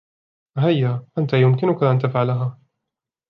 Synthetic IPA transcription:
hajːaːʔant̪ajʊmkɪnʊkaʔant̪afʕalaɦaː

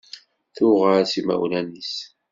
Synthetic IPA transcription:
θʊʁəɾsimæ̰wlænis

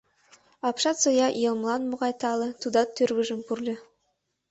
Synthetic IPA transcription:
ɑpʃɑt̪sojɑʔjelˠmlˠɑnmʊʁɑjt̪ɑlˠət̪ʰud̪ɑt̪ʰːɵɾɡʲɪʒəmpurlʲɪ

